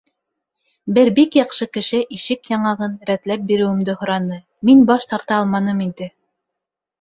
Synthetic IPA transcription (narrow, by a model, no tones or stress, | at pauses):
bɘɾbikjɑqʃɤkɘ̆ʃɘʔiʃɘkjɑɴɑʁɤnɾæt̪læp̚biɾɘ̆wɘ̆md̪ɘhŏɾɑnɤ | minbɑʃt̪ɑɾt̪ɑɑlˠmɑnɤmind̪ɘ